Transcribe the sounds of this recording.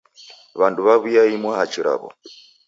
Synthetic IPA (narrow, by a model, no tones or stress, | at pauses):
βanduβaβujaimwahat͡ʃiɾa̰βɔ̰